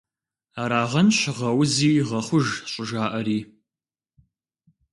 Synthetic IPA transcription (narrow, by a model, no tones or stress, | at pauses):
aːɾaːʁɐnʃɪʁɐwziːʁɐχʷʊʒɕʼʊʒaːʔɐɾiː